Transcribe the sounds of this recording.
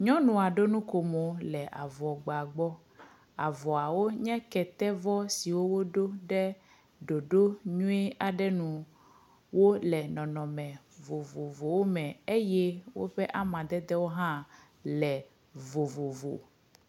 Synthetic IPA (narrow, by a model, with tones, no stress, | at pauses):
ɲɔ̃˦nũ˨a˨ɖo˦nũ˦ko˨mo˨lɛ˨ʔa˨vɔ˨ɡ͡ba˨ɡ͡bɔ˦ | a˨vɔ˨a˨wo˦ɲɛ̃˦kɛ˨t̪ɛ˦vɔ˦si˨wo˦wo˦ɖo˦ɖɛ˦ | ɖo˨ɖo˦ɲũ˦ɛ˦a˨ɖɛ˦nũ˨ | wo˦lɛ˨nɔ̃˨nɔ̃˨mɛ̃˨ | vo˨vo˨vo˨wo˦mɛ̃˨e˦je˦wo̰˦ɸɛ˦ʔa˦mã˨d̪ɛ˦d̪ɛ˦wo˦ɦã˦ | lɛ˨ | vo˨vo˨vo̰˨